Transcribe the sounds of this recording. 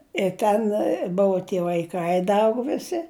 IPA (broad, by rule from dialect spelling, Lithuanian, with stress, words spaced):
ɪ ˈtʲɛn ˈbʊʋʊ tʲiɛ ʋɐɪˈkɐɪ ˈdɐ ˈɐʊɡʊ ʋʲɪˈsʲɪ